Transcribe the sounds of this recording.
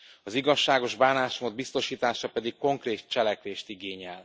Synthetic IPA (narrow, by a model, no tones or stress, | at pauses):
ɒziɡɒʃːaːɡo̞ʒbaːnaːʃmoːd̪̚bist̪o̞ʃiːt̪aːʃɒpɛd̪ikko̞ŋkreːt̪̚t͡ʃɛlɛkʋeːʃt̪iɡeːɲɛl